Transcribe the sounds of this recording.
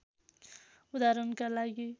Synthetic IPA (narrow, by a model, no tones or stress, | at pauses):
ud̪aɾʌnkalaɡi